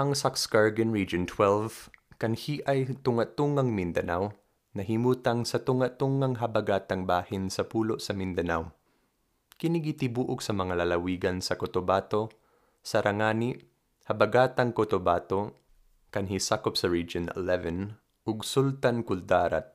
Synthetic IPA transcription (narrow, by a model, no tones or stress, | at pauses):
ʔɐŋsakskaɹɡɛnɹid͡ʒont̪ʰwɛlvkɐnhiʔajt̪ʊŋat̪uŋaŋmɪnd̪ɐnaw | nɐɦimuːt̪aŋsɐt̪ʊŋat̪uŋaŋɦɐbɐɡaːt̪aŋbaːhɪnsɐpuːloʔsɐmɪnd̪ɐnaw | kɪnɪɡɪt̪ɪbuːʔʊɡsɐmɐŋalɐlɐwiːɡɐnsɐkot̪obaːt̪o | sɐɾɐŋaːni | hɐbɐɡaːt̪aŋkot̪obaːt̪o | kɐnɦisaːkop̚sɐɹid͡ʒonɛ̰lɛvɛn | ʔʊɡsult̪ankʊld̪aːɾa̰t̪̚